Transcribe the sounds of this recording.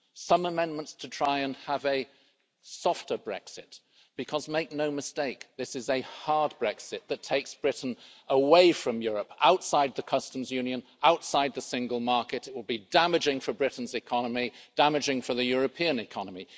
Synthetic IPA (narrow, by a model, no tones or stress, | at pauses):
sʌ̃məmɛ̃nmə̃ntstʰɨtʰɹ̥aɪɨ̃nəvɨ | sɔftə˞bɹɛ̰ksɪt̚ | b̥ɨkʰʌzmeɪk̚noʊmɨsteɪk̚ðɪsɨzɨhɑɹd̚bɹɛksɨt̪̚ðɨtʰeɪksb̥ɹɪʔn̩əweɪfɹʌ̃mjʊɹəpʔa̰ʊtsaɪd̪̚ðɨkʰʌstə̃m̩zjʉ̃njɨ̃n | aʊtsaɪd̪̚ðəsɪ̃ŋɡəlˠmɑɹkɨɾɨt̚wəlˠbidæmɨd͡ʒɪ̃ŋfə˞bɹɪʔn̩zɨkʰɑnəmid̥æmɨd͡ʒɪ̃ŋfə˞ðɨjʊɹɨpʰiɨ̃nɨkʰɑnəmi